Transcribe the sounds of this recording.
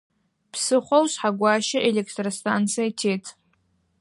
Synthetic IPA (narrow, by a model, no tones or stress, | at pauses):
pʰsɨχʷowsħaɡʷaːʃɪʔelʲekʰtrostʰant͡sʰijaitʰe̞jtʰʼ